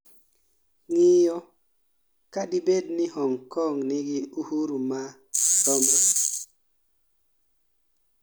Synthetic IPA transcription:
ŋijɔ | kadibednihɔŋkɔŋniɡiuhuɾuma | tɔmɔ

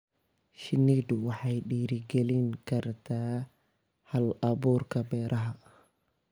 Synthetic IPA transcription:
ʃɪnid̪ʊwɑħɑjɗiːɾɪɡɛlɪŋkʰɐrt̪ʰaː | hɐlɐbuːrkʰɐbɛːɾʔɐɦɐ

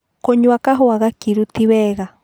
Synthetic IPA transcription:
koɲuakaɦoaɣakiɾut̪iβeɣa

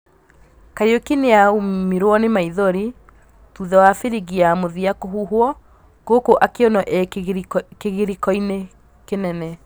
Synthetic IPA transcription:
kaɾiokineaumiɾwɔnemaiðoɾi | tuðɛwafeɾiɣiamoðiakoɦuɦwɔ | ɡ̥okoʔakeɔnɔʔɛ | keɣiɾikɔine | kenɛnɛ

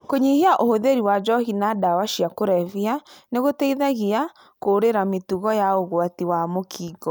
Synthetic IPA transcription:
koɲihiaʔohoðeɾiwad͡ʒɔhinadawaʃiakoɾɛvianeɣotɛiðaɣia | koːɾeɾametuɣɔjaoɣwatiwamokʰiːɡɔ

